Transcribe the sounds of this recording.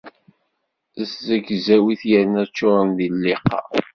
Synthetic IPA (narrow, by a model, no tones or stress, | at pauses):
əzzəɡzæwiθjəɾnæt͡ʃːʊɾˤənðilːɪqɑ̰